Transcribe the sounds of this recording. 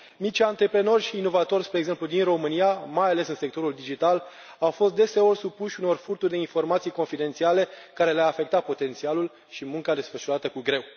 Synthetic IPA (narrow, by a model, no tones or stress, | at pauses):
mit͡ʃʲant̪ɾe̞pɾeno̞rʲʃiːno̞vat̪o̞rʲspɾe̞ːɡze̞mplud̪inro̞mɨniamajale̞sɨnsekt̪o̞ɾuld̪id͡ʒit̪al | awfo̞st̪̚d̪e̞se̞o̞rʲsupuʃʲuno̞rfurt̪urd̪e̞info̞rmat̪sijko̞nfid̪e̞nt̪siale̞kaɾe̞leaːfe̞k̚t̪at̪̚po̞t̪e̞nt̪sialul | ʃimuŋkad̪e̞sfəʃuɾat̪əkuɡɾe̞w